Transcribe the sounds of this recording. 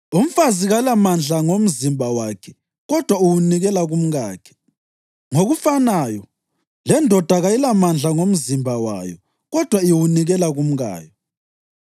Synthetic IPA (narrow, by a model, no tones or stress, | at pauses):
um̩faziɣalamand͡ɮʱaŋom̩zimbʱawakʰɛ̥ | ɣɔd̥ʱwauwuniɣɛlaɣum̩ɣaːkʰɛ̥ | ŋoɣufanaːjɔ | lɛndʱɔd̥ʱaɣajilamand͡ɮʱaŋom̩zimbʱawa̰jɔ̰ | ɣɔd̥ʱwaiwuniɣɛlaɣum̩ɣa̰ːjɔ